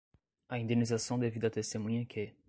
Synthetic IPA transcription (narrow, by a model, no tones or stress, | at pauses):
ɐĩnd̪enizasɐ̃w̃d̪evid̪ɐt̪est̪emũɲɐkʰe